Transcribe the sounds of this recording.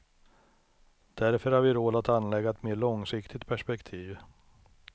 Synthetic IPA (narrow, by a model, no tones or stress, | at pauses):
d̪̥æɾfœɾhaɾvɪɾoːd̪at̪anlɛɡːaɛt̪meːɭɔŋsɪkt̪ʰɪt̪̚pʰæʂpɛkt̪ʰiːv